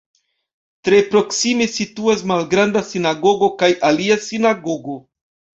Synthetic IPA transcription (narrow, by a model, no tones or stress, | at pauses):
tɾe̞pɾo̞ksimesituas̬malɡɾandasinaɡo̞ɡo̞kajʔaliasinaɡo̞ɡo̞